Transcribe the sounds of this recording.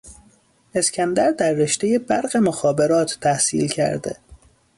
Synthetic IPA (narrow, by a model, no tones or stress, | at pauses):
e̞scʰʲænd̪æɾd̪æɾːe̞ʃt̪eje̞bæɾɢe̞moxɒːbe̞ɾɒːt̪ʰːæhsḭːlcʰæ̰ɾd̪ḛ